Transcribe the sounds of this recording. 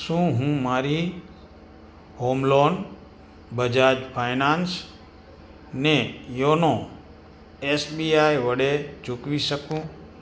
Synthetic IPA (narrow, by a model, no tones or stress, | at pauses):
ʃũɦũmaɾi | homlon | bəd͡ʒad͡ʒpʰajnãns | nejonõ | esbiajʋəɽed͡ʒʊkʋiʃəkũ